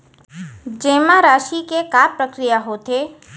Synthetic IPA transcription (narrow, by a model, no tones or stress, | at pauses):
d͡ʒeːmãɾaːʃikekaːpɾəkɾijaɦot̪e